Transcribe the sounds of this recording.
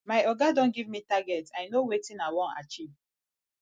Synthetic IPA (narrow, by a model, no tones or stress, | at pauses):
majɔɡadɔ̃nɡivmitaɡɛtajnowetĩnawɔ̃na̰t͡ʃiv